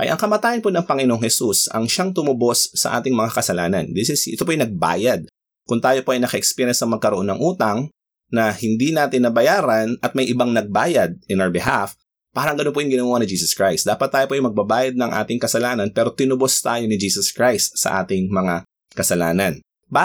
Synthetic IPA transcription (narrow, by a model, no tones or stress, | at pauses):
ʔɐ̰jʔɐ̰ŋkɐmɐt̪aːjɐnponɐŋpɐŋɪnoŋhɛsusɐ̰ŋʃaŋt̪ʊmʊbo̞sːɐ̰ʔa̰ːt̪ɪŋmɐŋakɐsɐlaːnɐ̰nd̪ɪsɪsɪ̰t̪opoʔjnɐɡ̚ba̰ːjɐd̪̚ | kʊnt̪aːjo̞poʔɐjnɐkɐʔɛkspiɾjɛnsɐŋmɐɡ̚kɐɾoʔonːɐŋʔuːt̪ɐŋ | nɐhɪnd̪inaːt̪ɪnːɐbɐjaːɾɐnɐt̪̚mɐjʔɪbaŋnɐɡ̚baːjɐd̪̚ɪnɐɹbɛɦaf | paːɾɐŋɡɐnonp̬ojʊŋɡɪnoːʊwanɪd͡ʒiːsɐskɹajst̪d̪aːpɐt̪ːaːjopoʔjmɐɡ̚bɐbaːjɐd̪̚nɐŋʔa̰ːt̪ɪŋkɐsɐlaːnɐnpɛːɾo̞t̪ɪnʊbost̪aːjonɪd͡ʒiːsɐskɹajst̪sɐ̰ʔa̰ːt̪ɪŋmɐŋa | kɐsɐlaːnɐn | b